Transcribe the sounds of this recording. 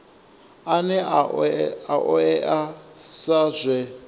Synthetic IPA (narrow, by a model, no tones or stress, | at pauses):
anɛ | aʔɔɛʔasazʷɛ